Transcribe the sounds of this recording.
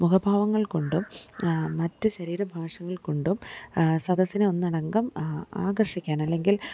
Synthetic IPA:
mukʰɐbʱaːʋɐŋːɐɭko̞ɳɖumː | ɐtːɨɕɐɾiːɾɐbʱaːʂɐŋːɐɭko̞ɳɖumsɐd̪ʱɐsːineo̞nːɐɽɐŋɡɐma̰ːɡɐrʂikʲːaːnɐlːe̞ŋɡil

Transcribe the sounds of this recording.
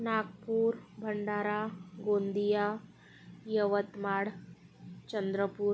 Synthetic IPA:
naɡpuːɾbʱəɳɖaːɾaɡond̪ija | jəʋət̪maɽ | t͡ɕənd̪ɾəpuːɾ

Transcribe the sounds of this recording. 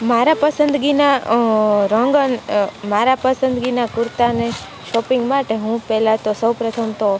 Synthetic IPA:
maɾapəsənd̪ɡina | ɾəŋɡənmaɾapəsənd̪ɡinakʊɾt̪ane | ʃɔpĩŋɡmaʈeɦũpɛɦlat̪osəwpɾət̪ʰəmt̪o

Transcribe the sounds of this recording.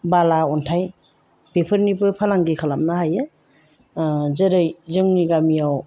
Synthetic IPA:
balaɔntʰaj | b̥epʰɯɾnipɯpʰalaŋɡikʰalamnaɦajɯ | zɯɾɯjzɯŋniɡamijaw

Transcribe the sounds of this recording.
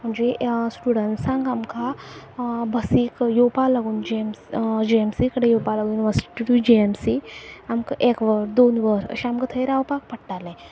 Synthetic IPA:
m̤əɳd͡zesʈuɽənʈsãŋɡamka | bʱəsikjopaləɡund͡ʒeemsd͡ʒiemsikəɽejopaləɡunʋəɾsi̥ʈiʈud͡ʒiemsiamkəʔekʋəɾd̪onʋəɾə̰ɕeamkət̪ʰəjɾawpak̚pəɽʈalẽ

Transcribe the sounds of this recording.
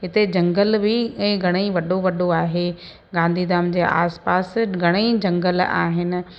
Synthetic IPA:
ɦɪt̪ed͡ʑɐ̃ŋɡəlbɪɛ̃ːɡʱɐɽ̃eiʋɐɗoʋɐɗoaːɦe | ɡãːnd̪ʱid̪aːmd͡ʑeːʔa̰ːspaːsɡʱɐɽ̃eid͡ʑɐ̃ŋɡəla̰ːɦɪnɪ̆

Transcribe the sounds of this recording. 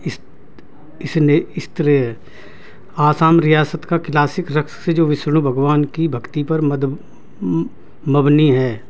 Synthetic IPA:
ɪs | ɪsneɪst̪əɾe | aːsaːmɾijaːsət̪kaklaːsɪkɾɐksed͡ʒoːʋɪʃɾɽ̃ubʱɐɡʋaːnkibʱɐkt̪ipɐɾmd̪ | mɐbniɦɛː

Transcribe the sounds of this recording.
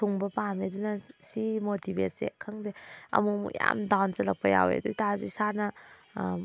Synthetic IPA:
uŋbɐpamedunɐsimotibet̚sḛkʰɐŋdeɐ̰mukmṵkja̰mdawnt͡ʃɐlɐk̚pɐja̰wḛdutazuisanɐ

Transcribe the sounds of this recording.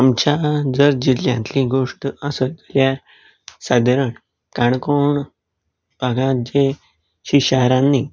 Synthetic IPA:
amt͡ɕad͡zəɾd͡ʑiljãnt̪lĩɡoʂʈəsəd̪ljaɾ | sad̪ʱəɾəɳ | kaɳkoɳ | baɡãd͡ʑe | ɕiɕəɦɾãnːi

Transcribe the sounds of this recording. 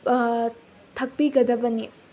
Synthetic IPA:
t̪ʰɐk̚piɡɐd̪ɐbɐni

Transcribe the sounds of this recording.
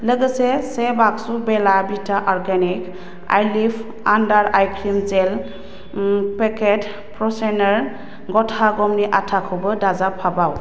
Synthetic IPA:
ləɡəsɛsɛbaksubɛlabitaʔɔɹɡanik | a̰jlipʰ | andaɹajkʰɾimzɛl | pɛkɛt | pɹɔsɛnɔɹ | ɡɔtʰaɡɔmniʔatʰakʰɔbɯdazapʰabaw

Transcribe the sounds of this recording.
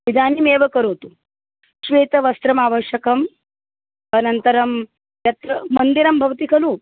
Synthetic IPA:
ʋid̪ʱaːnimeːʋɐkɐɾoːt̪u | ʃʋeːt̪ɐʋɐst̪ɾɐmaːʋɐɕjɐkɐm | ɐnɐnt̪ɐɾɐm | jɐt̪ɾɐmɐnd̪iɾɐmbʱɐʋt̪ikʰɐluː

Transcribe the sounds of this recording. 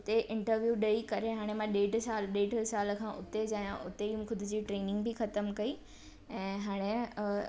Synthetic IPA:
ʊt̪eʔɪ̃ɳʈəɾʋjuːɗɐikɐɾeɦaːɽ̃emãɗeːʈsaːlɗeːʈsaːlkʰãːʔʊt̪ed͡ʑaːjãʔʊt̪eiũmxʊd̪ʱɪd͡ʑiːʈɾeːnɪ̃ŋɡbʱɪxɐt̪əmkɐi | ɛ̃ːɦaːɽ̃e

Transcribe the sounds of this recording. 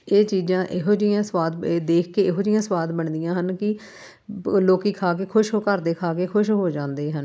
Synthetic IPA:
eːt͡ʃiːzãːʔɪɦoːd͡ʒijãːswaːd̪d̪eːkʰkeːɪɦoːd͡ʒijãːswaːd̪bəɳd̪ɪjãːɦənkɪ | loːkiːkʰaːk̬eːkʰʊʃɦoːkəɾd̪eːkʰaːkeːkʰʊʃɦoːd͡ʒãːnd̪eːɦən

